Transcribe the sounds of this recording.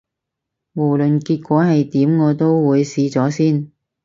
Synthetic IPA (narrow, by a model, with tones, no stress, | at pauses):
mo˨˩wlɵ˨nkiː˧t̚kʷɔː˨˥ɦɐ˨jt̪iː˨˥mŋɔː˨˧t̪o˥wwuː˨˧jsiː˨˧t͡sɔː˨˥siː˥n